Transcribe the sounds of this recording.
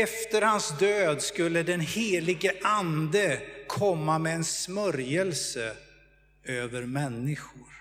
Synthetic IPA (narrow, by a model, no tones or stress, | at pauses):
ɛft̪əɾhansd̪øːd̪skɵlːəd̪ɛnheːlɪɡəʔand̪əkʰɔmːamɛːnsmœɾjəlsə | øːvəɾmɛnːɪɧʊɾ